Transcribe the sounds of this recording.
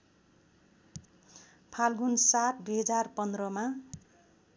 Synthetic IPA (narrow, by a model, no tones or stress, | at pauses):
pʰalɡunsat̪̚ʰd̪eɦʌd͡zarpʌnd̪rʌma